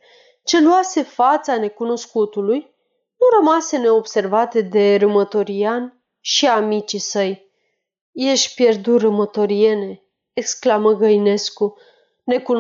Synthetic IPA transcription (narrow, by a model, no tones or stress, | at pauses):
t͡ʃe̞luase̞fat̪sane̞kuno̞skut̪uluj | nurəmase̞ne̞obse̞rvat̪e̞d̪e̞ɾɨmət̪o̞ɾian | ʃiamit͡ʃisəj | je̞ʃpje̞rd̪urɨmət̪o̞ɾie̞ne̞ː | ksklaməɡəjne̞sku | ne̞kun